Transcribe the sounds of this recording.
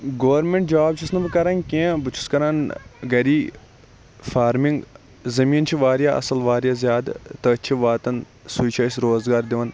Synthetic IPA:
ɡɐʋɐɾmẽɳʈ̚d͡ʒaːb̚t͡ʃʰisnɐbɨkɐɾɐnkʲẽːbɨt͡ʃʰu̥skɐɾanɡɐɾiː | faːɾmiŋɡ | zɐmiːnt͡ʃʰiʋaːɾjaʔɐ̰sɐlʋaːɾjaːzʲjaːd̪t̪ɐt͡ʃʰiʋaːt̪ɐn | sut͡ʃʰaːsɾoːzɡaːɾd̪iʋɐn

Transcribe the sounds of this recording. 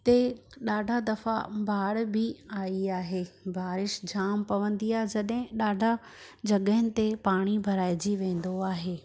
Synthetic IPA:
t̪eɗaːɖʱad̪ɐfa̰bʱaːɽbɪaːiaːɦeːbʱaːɾɪʃd͡ʑaːmpɐʋə̃nd̪iaːɦed͡ʑɐɗɦɪ̃ɗaːɖʱad͡ʑɐɠəɦɪnɪ̆t̪epaːɽ̃ibʱɐɾaːɪd͡ʑiʋẽːn̆d̪oaːɦeː

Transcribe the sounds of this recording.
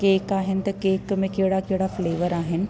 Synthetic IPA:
keːkaːɦɪnɪ̆t̪ɐkeːkmẽkeɦɪɽakeɦɪɽafleːʋəɾaːɦɪnɪ̆

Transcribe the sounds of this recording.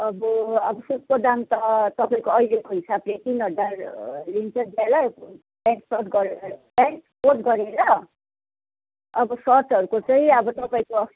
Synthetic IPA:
ʌbʌʌbʌsut̪̚kod̪amt̪ʌt̪ʌpaĩkoʌjlekoɦisablet̪inʌdarlint͡sʌd͡zala | baŋksʌʈɡʌɾeɾʌbankpoʈɡʌɾeɾʌ | ʌbʌsʌrtʌɾukot͡sʌĩʌbʌt̪ʌpaĩko

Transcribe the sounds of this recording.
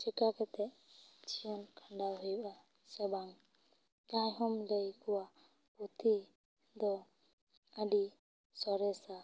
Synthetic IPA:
t͡ʃɛkakɛt̪ɛ | t͡ʃijɔnkʰaɳɖaɦujɓa | sɛbaŋ | kãjɦɔmlejkuwa | put̪ʰi | d̪ɔ | əɖi | sɔɾɛsa

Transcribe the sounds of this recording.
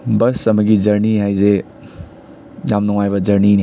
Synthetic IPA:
bɐsɐmɐɡid͡ʒɐɾniɦajze | jamnɔŋajbɐd͡ʒɐɾnini

